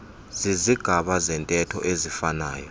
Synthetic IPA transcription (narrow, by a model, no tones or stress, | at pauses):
z̥iziɡ̥ʱaɓazɛntʼɛtʰɔ̰ʔezifana̰ːjɔ